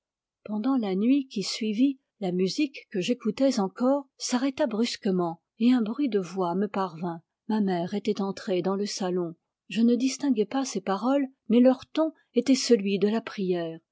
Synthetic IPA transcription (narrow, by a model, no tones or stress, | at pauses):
pɑ̃d̪ɑ̃lanɥikʲisɥivi | lamyzikːəʒekut̪ɛzɑ̃kɔʁsaʁɛt̪abʁyskəmɑ̃ | eɛ̃bʁɥid̪əvwaməpaʁvɛ̃ | mamɛʁet̪ɛt̪ɑ̃t̪χed̪ɑ̃ləsalɔ̃ | ʒənəd̪ist̪ɛ̃ɡɛpasepaʁɔl | mɛlœʁt̪ɔ̃ | et̪ɛsəlɥid̪əlapχijɛːʁ